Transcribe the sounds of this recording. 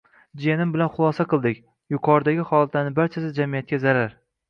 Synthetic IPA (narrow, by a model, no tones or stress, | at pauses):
d͡ʒenɪmbɪlanχʊlˠɒsaqɨlˠd̪ɪkʲ | jʊqʰɒɾd̪aɡʲɪχɒlˠat̪ʰanɪbaɾt͡ʃʰasɪzd͡ʒamijat̪̚kʲazaɾaɾ